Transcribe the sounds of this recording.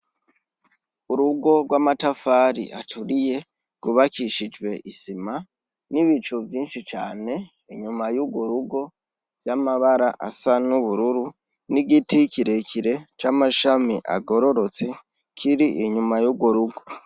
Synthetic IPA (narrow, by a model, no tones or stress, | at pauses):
uɾuɡo̞ɡwamatafaɾḭʔa̰tʰuɾije̞ | ɡ̥uβakiʃid͡ʒwe̞ʔisima | niβit͡ʃuvjiːnʃit͡ʃaːne̞ | iɲumajuɡwoɾuɡo̞ | vjamaβaɾaʔa̰sanuβuɾuɾu | niɡitikʰiɾe̞kʰiɾe̞t͡ʃamaʃamḭʔa̰ɡo̞ɾo̞ɾo̞t͡se̞ | kʰiɾiʔiɲumajuːbɡwoɾuɡo̞